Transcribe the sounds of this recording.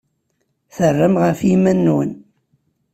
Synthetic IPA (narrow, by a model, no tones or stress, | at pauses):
θərːəmʁəfimænːwən